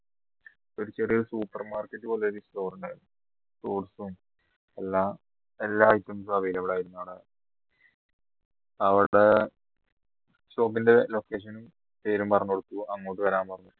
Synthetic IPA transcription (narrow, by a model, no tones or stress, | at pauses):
oɾut͡ɕːeʈːioɾusuːpːɐrmaːrketːɨboːleoɾisto̞ːrɐneɭ | toːʈsum | elːa | elːaːjtːɐms̬abijileʋiɽaːjiɾunːoɽɐ | ɐʋiɽe | ɕo̞ːpːindelo̞kːeːʂ̬ɐnum | pe̞ːɾumpɐrɐɲːɐkoɽukːuɐŋːoːʈːɨʋɐɾaːmpɐrɐɲːu